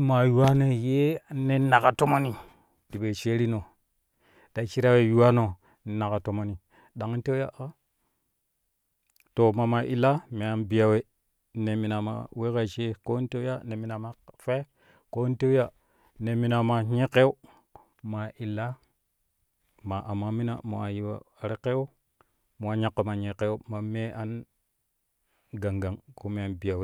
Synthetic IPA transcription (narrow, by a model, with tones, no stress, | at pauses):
ma˨ju˨wa˦no˨je˦ne˦na˨ka˨to˦mo˦ni˨ | di˨be˨t͡ʃe˦ɾi˦no˨ | d̥a˨t͡ʃi˦ɾa˦we˨ju˨wa˦no˨ | ne˨na˨ka˨to˨mo˦ni˨ | ɗa˨ŋ˦n˦te˦ja˦ʔa˦ | to˨ma˨ma˨ʔi˨lːa˦me˨a˨nbi˨ja˨we˨ | ne˨mi˨na˨ma̰˨we˦ka˨t͡ʃe˦ko˦n˦te˦ja˦ne˨mi˨na˨ma˨fe˦ | ko˦n˦te˦wja˦ | ne˨mi˨na˨ma˨ɲe˦ke˦u˦ | ma˨ʔi˨la˦ | ma˨ʔa˨mːa˦mi˦na̰˨mo˨a˨ji˦wa̰˨a˨ɾe˦ke˦wo˦ | mo˨wa˨ɲa˦˨kːo˨ma˨ɲe˨ke˦u˦ma˨me˦ʔa˦n | ɡa˨ŋɡa˨ŋko˦me˨a˨nbi˨ja˨we˨